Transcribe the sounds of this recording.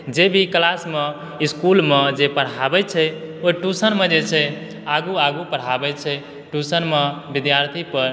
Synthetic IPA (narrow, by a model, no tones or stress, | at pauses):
d͡ʒebʱiklasme | iskulmed͡ʒepəɽ̤abɛt͡ʃʰɛoʈusənmed͡ʒet͡ʃʰɛ | aɡuaɡupəɽ̤abɛt͡ʃʰɛ | ʈusənmebid̪jaɾt̪ʰipəɾ